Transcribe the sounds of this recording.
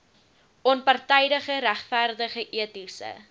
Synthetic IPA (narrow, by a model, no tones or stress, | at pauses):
ʔɔnpɐrtɛjdəχəɾæχfærdəχəʔiətisə̰